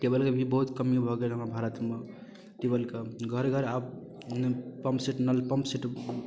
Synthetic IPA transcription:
ʈebəlkebʱibəɦut̪kəmjobʱɔɡelɦəmabʱaɾət̪me | ʈebəlkeɡʱəɾɡʱəɾab | pəmpsiʈnəlpəmpsiʈ

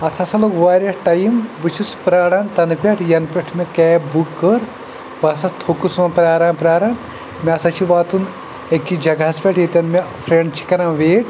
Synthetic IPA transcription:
ɐt̪ʰɐsɐlokʋaːɾʲjɐʈɐjimbɨt͡ʃʰuspɾaːɽaːnt̪ɐnpʲeʈʰjɐnpʲɐʈʰmʲikɛːbukːəɾ | basɐt̪ʰokusmɐpɾaːɾaːnpɾaːɾaːn | mʲiɐsɐt͡ʃʰiʋaːt̪un | ekːid͡ʒɐɡɐspʲɐʈʰjet̪ʲɐnmifʰɾeɳɖt͡ʃʰi̥kɐɾãːʋeːʈ

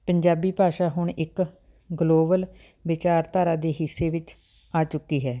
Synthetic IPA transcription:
pəɲd͡ʒaːbiːpaːʃaːɦʊɳɪk | ɡloːbəl | ʋɪt͡ʃaːɾt̪aːɾãːd̪eːɦɪsːeːʋɪt͡ʃ | aːt͡ʃʊkːiːɦɛː

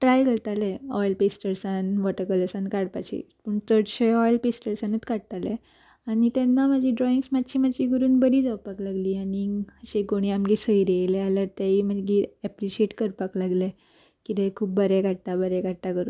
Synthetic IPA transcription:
ʈɾajkəɾt̪aleɔjlpesʈəɾsanbɔʈəɾkələsãnkaɽpat͡ɕḭpəɳt̪əɽɕeɔjlpesʈəɾsanət͡skaɽt̪alḛ̃ | anit̪ɛnːamad͡ʑiɖɾɔĩŋɡsmat̪ːt͡ɕʰiːmat͡ɕiɡəɾuːnbəɾiːd͡zawpaklaɡliːaniəɕeɡoɽ̃iamɡesəiɾelealjaɾt̪eim̤əɡiːɛpɾiɕieʈkəɾpaklaɡle | kit̪ekʰuːp̚bəɾekaɽ̚t̪abəɾɛkaɽt̪akəɾṵːn

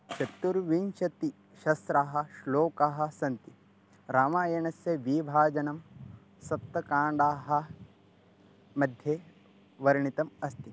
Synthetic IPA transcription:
ʃɐt̪ːuɾʋinʃɐt̪i | ʃɐst̪ɾaːɦɐ̆ʃloːkaːɦɐ̆sɐnt̪i | ɾaːmaːjɐɳɐsjɐʋiːbʱaːd͡ʒɐnɐm | sɐpt̪ːɐkaːɳɖaːɦɐ | mɐd̪ʱjeː | ʋɐɾɐɳit̪ɐmɐst̪i

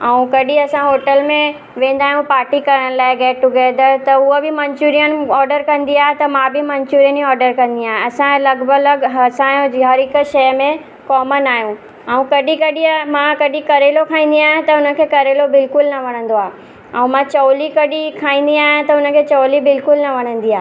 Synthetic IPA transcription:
ɛũkɐɗiɐsãɦoːʈəlmẽ | ʋẽːn̆d̪aːɦjũpaːɾʈikɐɾəɽ̃laːɪɡɛːʈʊɡɛːd̪əɾt̪ɐʊobɪmɐ̃ɲt͡ɕuːɾijənɔːɾɖəɾkɐ̃nd̪iaːɦet̪ɐmãbɪmɐ̃ɲt͡ɕuːɾijəniɔːɾɖəɾkɐ̃n̆d̪iaːɦẽɐsãlɐɡbələɡɦɐsãɡʱaɾɪkʃɐjmẽ | kɔːmənaːɦjũ | ɛũkɐɗĩkɐɗimãkɐɗĩkɐɾelokʰãːĩːn̆d̪iaːɦjẽt̪ɐʊnə̆kʰeːkɐɾelobɪlkʊlnɐʋɐɽ̤̃ə̃n̆d̪oaːɦe | ɛ̃ũmãt͡ɕɐːlikɐɗikʰaːĩːn̆d̪iaːɦãt̪ɐʊnə̆kʰeːt͡ɕɐːlibɪlkʊlnɐʋɐɽ̤̃ə̃nd̪iaːɦ

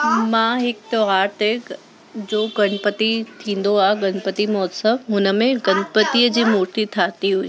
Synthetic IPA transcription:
mãːɦɪkt̪oɦaːɾt̪ek | d͡ʑoːɡɐɽ̃pət̪it̪ʰĩːn̆d̪oaːɦɪɡɐɽ̃pət̪imɔːsəmɦʊnə̆mẽɡɐ̃ɳpət̪iəd͡ʑiːmʊːɾt̪it̪ʰaːt̪iɦʊḭː

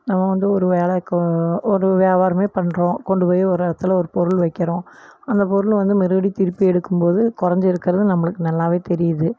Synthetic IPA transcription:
nɐmːɐʋɐnd̪ɯɔɾɯʋeːɭɐkːɔɾɯʋeːʋaːɾɐmeːpɐɳːɾõːkɔɳɖɯpoːjɐɔɾɪɽɐt̪ːɪlɔɾɯpɔɾɯɭʋɐɪkːɪɾõːɐnd̪ɐpɔɾɯlʋɐnd̪ɯmɪɾɯɐɽit̪ɪɾɯpːiɛɽɯkːɯmpoːðɯkʊɾɐɲd͡ʒɪɾɯkːɪɾɐðɯnɐmːɐɭɯkːɯnɐlːãːʋeːt̪ɛɾɪjɐðɯ

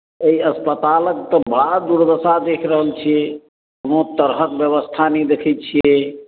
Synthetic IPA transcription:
eiəspət̪aləkt̪əbəɽad̪uɾd̪əsad̪ekʰɾəɦəlt͡ʃʰiɛ | not̪əɾɦəkbjəβəst̪ʰanɛd̪ekʰɛt̪̚t͡ʃʰiɛ

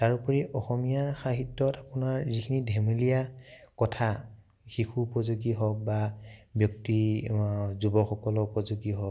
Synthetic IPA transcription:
taɹupɔɹiʔɔxɔmijaxaɦitːɔtapʊnaɹzikʰinidʱɛmilijakɔtʰa | xixʰuːpɔzuɡiɦɔk̚babjɔk̚ti | zubɔxɔkɔlɔupɔzuɡiɦɔk

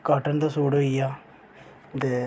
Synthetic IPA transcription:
kaːʈənd̪aːsuːɽoijaː | d̪e

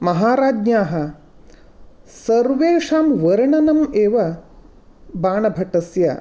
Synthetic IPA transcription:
mɐɦaːɾaːd͡ʒnaːɦɐ | sɐɾʋeːʂaːmʋɐɾɳɐnɐmeːʋɐ | baːɳɐbʱɐʈɐsjɐ̰

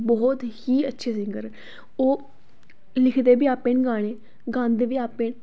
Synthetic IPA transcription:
bɔːt̪hiːətːʃʰeːsɪŋɡəɾ | oː | lɪkʰd̪eːbiːaːpẽːnɡaːɽ̃eː | ɡãːnd̪eːbiːaːpːeːn

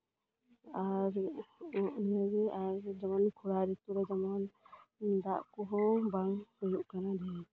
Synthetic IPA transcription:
aɾɔʔnəɡɛaɾd͡ʒamɔnkʰuɽaɾɛt̪uɾɛd͡ʒamɔn | d̪a̰ʔkɔɦɔ̃baŋhɔjuʔkanad̪ɛ

